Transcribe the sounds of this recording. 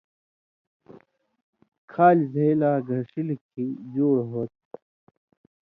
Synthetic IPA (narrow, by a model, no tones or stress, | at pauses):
kʰaːlzelaːɡʱɐʂilkʰid͡ʑoːɽɦoːt̪̚